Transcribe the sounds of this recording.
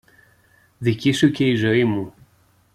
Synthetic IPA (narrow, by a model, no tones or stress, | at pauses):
ðicisuce̞izo̞imu